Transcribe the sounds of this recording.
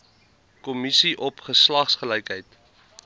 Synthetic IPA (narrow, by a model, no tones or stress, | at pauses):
kɔmisiʔɔpχəslɐχsχəlɛjkɦəjt